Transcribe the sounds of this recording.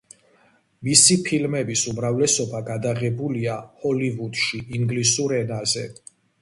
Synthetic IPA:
misipʰilmɛbisumɾavlɛsɔbaɡad̪aʁɛbuliahɔlivud̪̥ʃiʔiŋɡlisuɾɛnazɛ̰

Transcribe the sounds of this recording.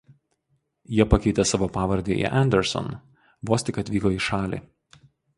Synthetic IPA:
jiɛpɐkʲɛɪt̪ʲesɑːʋoːpɑːʋɐɾʲd̪ʲeːʔḭʔɛnʲd̪ʲɛɾsɔ̰n | ʋoːsʲt̪ʲɪkɐt̪ʲʋʲiːkoiːʃɑːlʲḭː

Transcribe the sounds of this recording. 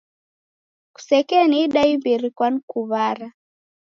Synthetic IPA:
ku̥sɛkɛniɗaimbiɾikwanikuβaɾa

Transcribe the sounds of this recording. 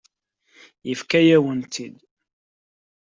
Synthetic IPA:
jəfkæjæwənt̪ʰid̪

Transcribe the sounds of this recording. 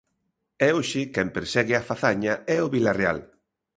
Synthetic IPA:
ɛoʃɪkɛmpeɾsɛɣɪafaθaɲaɛʊβilareal

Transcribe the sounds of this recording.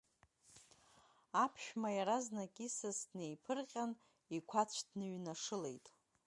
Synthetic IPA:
apʰʃᶣmajaɾaznakʲʼisazdne̞jpʰɨrqʲʼan | ikʷʰat͡ɕʷʰdnɨɥnaʂɨlejtʼ

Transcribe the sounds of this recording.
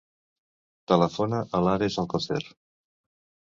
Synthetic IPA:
t̪ələfonəʔəlaɾezəlˠkəsḛr

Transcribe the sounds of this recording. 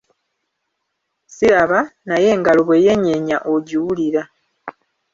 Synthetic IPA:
siɾaβanaje̞ːŋɡaloβwe̞ːje̞ɲeɲaʔoɟiwuliɾa

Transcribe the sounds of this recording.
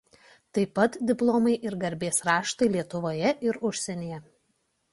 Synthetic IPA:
t̪ɐɪpɐt̪d̪ʲɪplˠoːmɐɪʔɪɾɡɐɾʲbʲeːsɾɑːʃt̪ɐɪlʲiɛt̪ʊʋoːjɛʔɪɾʊʃʲsʲɛnʲeːjɛ

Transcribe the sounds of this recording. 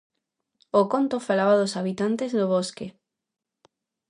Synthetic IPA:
okont̪ofalaβaðosaβit̪ant̪ezðoβ̞oske

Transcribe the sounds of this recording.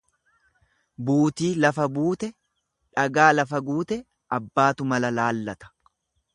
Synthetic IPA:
buːt̪iːlɐfɐbuːt̪ɛ | ᶑɐɡaːlɐfɐɡuːt̪ɛ | ʔɐbːaːt̪ʊmɐlɐlaːlːɐt̪ɐ̥

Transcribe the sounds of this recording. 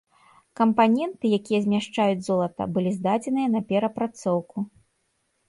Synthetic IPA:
kɐmpanʲɛnt̪ɨjakʲijɐzʲmʲaʂt͡ʂajud͡zʲzɔlˠɐt̪ɐ̰bɨlʲizd̪ad͡zʲɛnɨjɐnɐpʲɛɾɐpɾat̪sɔwku

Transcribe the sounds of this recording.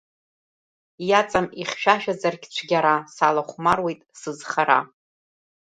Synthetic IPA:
jat͡sʼamiχʲʃᶣaʃᶣazarɡʲt͡ɕʷʰɡʲaɾasalaχʷmarwe̞jtʼsɨzχaɾa̰

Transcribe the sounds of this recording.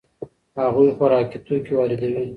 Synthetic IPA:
haɣujxaɾɑkit̪ukewɑɾɪd̪awi

